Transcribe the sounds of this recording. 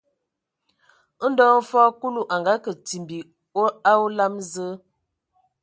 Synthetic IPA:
n̩˦dɔ˦fɔ˦ku˦lu˨ʔa˨ŋɡa˨˦kə˨ti˨mbi˨ | o˦a˦wu˦la˦mzə˦

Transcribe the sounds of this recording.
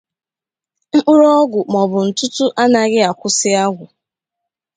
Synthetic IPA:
ŋ͡m̩˦k͡pʊ˦ɾɔ˦ɡʷʊ˨mɔ˨bʊ˨n̩˨tʊ˦tʊ˦ʔa˦na˨ɣɪ˦a˨kʷʊ˦sɪ˦a˦ɡʷʊ˨

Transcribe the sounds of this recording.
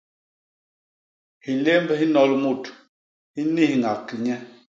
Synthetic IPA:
hi˨le˦mbɛ˦hi˦nɔ˦lmu˦˨t | hi˦ni˦hŋa˨kːi˨ɲɛ˦

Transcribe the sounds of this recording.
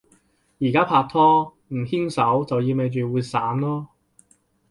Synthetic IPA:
jiː˨˩kaː˥pʰaː˧k̚t̪ʰɔː˥ | m̩˨˩hi˥ŋsɐ˨˥wt͡sɐ˨wjiː˧me˨˧jt͡ʃyː˨wuː˨˧jsaː˨˥nlɔː˥

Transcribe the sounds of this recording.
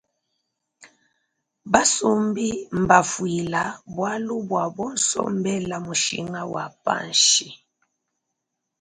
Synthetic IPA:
ba˦su˦mbi˦m̩˨ba˨fwi˨la˨bwa˦lu˦bwa˨bɔ˦n̩sɔ̰˦m˦bɛ˦la˨mu˨ʃḭ˨ŋa˦wa˨pa̰˦nʃi˨

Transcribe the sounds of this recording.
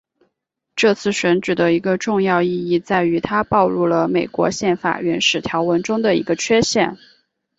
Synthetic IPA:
ʈ͡ʂɤ˥˧t͡sʰɹ̩˥˩ɕɥə˧˥nʈ͡ʂɻ̩˨˩d̪ə˦i˧˥ɡə˧ʈ͡ʂʊ˥˧ŋjɑ˥˧ʊi˥˧i˥˧t͡sa˥˩ɪy˧˥t̪ʰa˥pɑ˥˧ʊlu˥˩lə˩me˨˩ɪkwɔ̰˧˥ɕjɛ˥˩nfa̰˨˩ɥɛ˧˥nʂɻ̩˨˩t̪ʰjɑ˧˥ʊwə˧˥nʈ͡ʂʊ˥ŋd̪ə˨ḭ˧˥ɡə˧t͡ɕʰɥɛ˥ɕjɛ˥˩n

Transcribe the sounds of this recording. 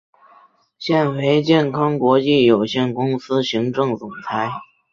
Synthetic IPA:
ɕjɛ˥˩nwe˧˥ɪt͡ɕjɛ˥˩nkʰɑ˥ŋkwɔ˧˥t͡ɕi˥˩jo˨˩ʊɕjɛ˥˩nkʊ˥ŋsɹ̩˥ɕi˧˥ŋʈ͡ʂɤ˥˩ŋt͡sʊ˨˩ŋt͡sʰa˧˥ɪ

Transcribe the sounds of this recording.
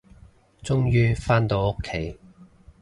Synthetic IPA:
t͡sʊ˥ŋjyː˥faː˥nt̪o˨˧wʊ˥kʰːe˨˥j

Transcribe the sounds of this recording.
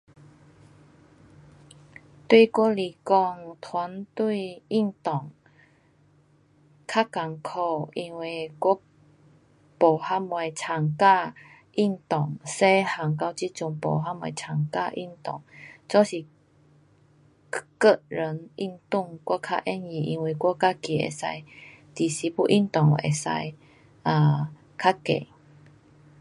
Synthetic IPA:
t̪wi˥˧kwɔ˦˥li˨˩kɔ˧ŋt̪ʰwa˨˦nt̪wi˥˧i˥˧˨ŋt̪ɔ˨˩ŋ | kʰa˦˥ka˨˩ŋkʰɔ˧i˧ŋwe˧˩kɔ˦˥ | pɔ˨˩ha˦˥mwa˨˩jt͡sʰa˨˩ŋka˥˧ | i˥˧ŋt̪ɔ˨˩ŋse˦ha˨˩ŋka˧˦wt͡ɕi˦˥t͡su˧ŋpɔ̰˨ɦa˧˦˥mwã̰˨˧˩jt͡sʰa˨˩ŋka˥˧ʔḭ˥˧˨nt̪ɔ˨˩ŋt͡sɔ˦si˨˩ | kə˧ʔɾə˨˦nʔi˧nt̪u˥˧˨ŋkɔ˦kʰa̰˦˥ʔɛ˦nji˧ʔi˧ŋwe˧kwɔ˦ka˦ki˧˨ḛ˨˩sa̰˧jt̪i˨˩si˨˦pu˧˦ʔi˦˥˨nt̪ɔ˨˩ŋḛ˨sa̰˧j | ʔa˨ | kʰa˦kḛ˨

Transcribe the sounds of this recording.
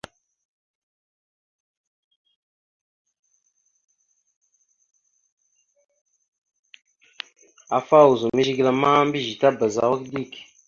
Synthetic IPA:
a˨fa˦˨wu˨zu˨mi˦ʒi˦ɡla˨ma˦m˦bi˦ʒi˨ta˦bə˨za̰˨wə˦kdi˦˨k

